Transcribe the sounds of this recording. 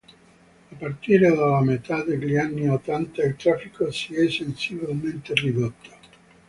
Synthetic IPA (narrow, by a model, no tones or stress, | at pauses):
apːart̪iːɾed̪alamet̪ad̪eʎianːiot̪ːant̪ailt̪ɾafikosiɛsensibilment̪erid̪ot̪ʰːo̥